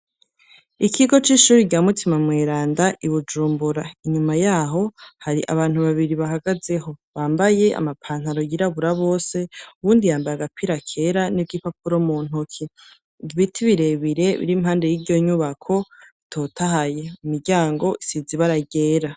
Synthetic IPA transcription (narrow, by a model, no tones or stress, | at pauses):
ikʰiɡo̞t͡ʃiːʃuːɾiɟaːmutʰimamŋeːɾaːndaʔiβud͡ʒuːmbuɾaiɲumajaɦo̞haɾiʔa̰βaːn̥huβaβiɾiβaɦaɡaze̞ɦo̞βaːmbaje̞ʔa̰mapʰaːn̥haɾo̞jiɾaβuɾaβo̞ːse̞uβuːndijaːmbajaɡapʰiɾakʰe̞ɾanivɡipapuɾo̞muːn̥ukʰi | ɟβitʰiβiɾe̞βiɾe̞βḭɾimhaːnde̞jiɾɟo̞ɲuβakʰo̞itʰo̞ːtʰaɦaje̞mumiɾɟaːŋɡo̞ʔisiziβaɾaɟeːɾa